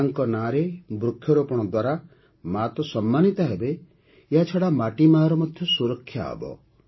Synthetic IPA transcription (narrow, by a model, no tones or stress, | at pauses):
ŋkɔnaɾebɾukʰːjɔɾopɔɽ̃ɔd̪waɾa | mat̪ɔsɔmːanit̪aɦebe | eɦat͡ʃʰɔɽamaʈimaɾɔmɔd̪ʱjɔsuɾɔkʰːjaɦbɔ̰